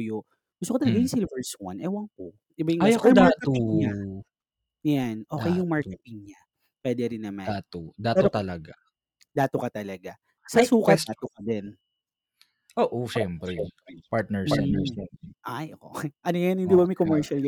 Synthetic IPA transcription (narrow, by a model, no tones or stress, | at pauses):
jo | ɡ̥ʊst̪okot̪ɐlɐɡajʊŋsɪlvɛɹswɐ̰nʔɛwɐŋko | ɪbajʊŋaɐkjʊd̪aɹtk̪oɲa | janʔoːkɛjjʊŋmaɹkɛt̪ɪŋɲa | pwɛːd̪ɛɾɪnːɐmand̪aːt̪od̪aːɛɾot̪ɐlɐɡa | d̪aːt̪okɐt̪ɐlɐɡa | sɐsuːkɐt̪d̪aːt̪okɐd̪ɛn | ʔoːʔoʃɛmpɾɛpaɹt̪̚nɛɹɛɛɛmɛʔajookɛʔɐnojjanhɪnd̪iːbɐmɐjkomɛɹʃɐl